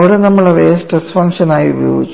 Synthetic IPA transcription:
ʋiɽenɐmːɐɭeʋeːsʈesfɐŋʂɐnaːjiubɐjoːɡit͡ɕː

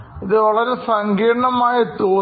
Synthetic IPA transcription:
iðɨʋɐɭɐɾe̞sɐŋkiːɖɐɳɐmaːjɐt̪ːuː

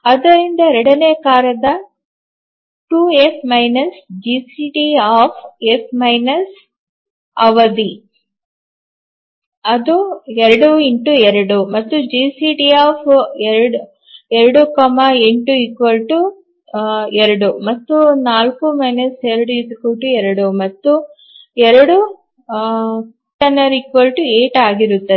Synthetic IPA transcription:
ɐd̪ɐɾind̪ɐɾeɳɖɐneːkaːɾɐd̪ɐ | ʈuːepʰmɐjnɐsd͡ʒiːsiːʈiaːpʰepʰmɐjnɐs | ɐʋɐd̪i | ɐd̪ueɾɐɽuiɳʈueɾɐɽumɐt̪ːud͡ʒiːsiːʈiaːpʰeɾɐɽu | eɾɐɽukɔmaeɳʈuikʋɐlʈu | ɛɾɐɽumɐt̪ːunaːlkumɐjnɐseɾɐɽuid̪ukuːʈuɛɾɐɽumɐt̪ːu | ɛɾɐɽu | ʈɐnɐɾikʋɐlʈueːʈaːɡiɾut̪ːɐ

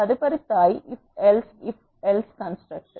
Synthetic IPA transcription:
ɐðɯpɐɾit̪ːaːjʔɪfɛlsɪf | ɛlskɐnsʈɾɐk̚ʈ

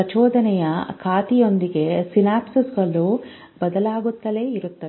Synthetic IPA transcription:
ɐt͡ʃɔːd̪ɐnɛjɐkʰaːt̪ijo̞nd̪iɡe̞sinaːpsisɡɐlːu | bɐd̪ɐlaːɡut̪ːɐle̞ːiɾut̪ːɐ

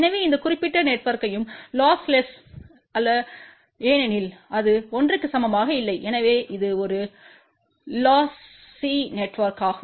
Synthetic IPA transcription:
ɛnɐʋeːɪnd̪ɐkʊrɪpːɪʈːɐneʈːʋɐɾkɐjɯmlaːslɛs | ɐlːɐ | eːnɛnɪlɐðɯɔndrɯkːɯsɐmɐmaːɣɐɪlːɐɪʔɛnɐʋeːʔɪðɯɔɾɯ | laːsː | iːneʈːʋɐɾkaːɣɐ

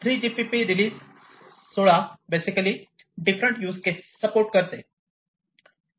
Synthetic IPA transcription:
t̪ʰɾiːd͡ʑipipiɾiliːzː | oɭabesikəli | ɖifɾəɳʈjuːskessəpoɾʈ̚kəɾt̪e

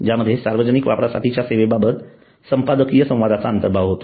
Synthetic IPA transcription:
d͡ʑjaməd̪ʱːjesaɾʋəd͡ʑənikʋapɾasa̰ʈ̪ʰit͡ɕjaseʋebabət̪ | səmpad̪əkijəsə̃w̃ʋad̪at͡saənt̪əɾbʱaʋɦot̪o̥

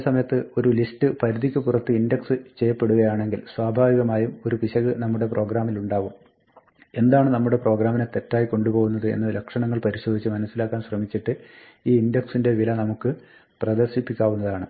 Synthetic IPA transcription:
sɐmɐjɐt̪ːɨo̞ɾulistɨpɐɾud̪ʱikʲːɨpurɐt̪ːɨindeksɨt͡ɕejːɐpːe̞ɽuɣɐjaːɳe̞ŋɡilswaːbʱaːʋiɣɐmaːjumo̞ɾupiɕɐɣɨnɐmːuɽe̞prʔo̞ːɡɾaːmiluɳɖaːʋum | e̞nd̪aːɳɨnɐmːuɽe̞pro̞ːɡɾaːminet̪e̞tːaːjiko̞ɳɖupo̞ːɣun̪ːɐðɨe̞̰nːɐlɐkʂɐɳɐŋːɐɭpɐɾiɕo̞d̪ʱit͡ɕːɨmɐnɐsːilaːkːaːnɕrɐmit͡ɕːiʈːɨ | iːindeksinde̞ʋilɐnɐmukːɨ | prɐd̪ɐrɕipːikʲːaːʋunːɐðaːɳɨ

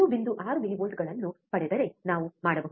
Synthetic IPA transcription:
ubind̪uʔaːɾumiliʋoːlʈɡɐɭɐnːupɐɽɛd̪ɐɾe̞naːʋumaːɽɐbe

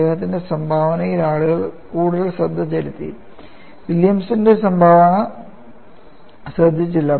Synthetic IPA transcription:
eːɦɐt̪̬ːinde̞sɐmbʱaːʋɐnɐjilaːɭuɣɐɭkuːɽuðɐlsrɐd̪ʱːɐt͡ɕɐɾit̪ːḭ | ʋiljɐmsindesɐmbʱaːʋaːɳɨ | srɐd̪ʱit͡ɕːilːɐ

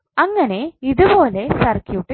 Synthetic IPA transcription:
ɐŋːɐne̞iðubo̞ːle̞sɐrkjuːʈːɨ

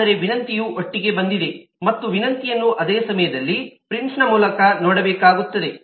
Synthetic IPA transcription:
ɐɾe̞ʋinɐnt̪ijuʔoʈːiɡe̞bɐnd̪id̪e̞mɐt̪ːuʋinɐnt̪ijɐnːuʔɐd̪eːsɐmɐjɐd̪ɐlːipɾinsnɐmuːlɐkɐnɔːɽɐbɛːkaːɡut̪ːɐd̪e̞

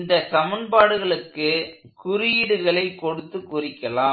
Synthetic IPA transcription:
nd̪ɐsɐmɐnbaːɽɯɣɐɭɯkːɯkʊɾɯɪjɪɽɯɣɐɭɐɪkːɔɽɯt̪ːɯkːʊrɪkːɐlaː

